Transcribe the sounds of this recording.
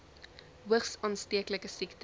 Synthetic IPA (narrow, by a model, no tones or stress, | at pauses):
ɦuəχsɑːnstiəkləkəsikt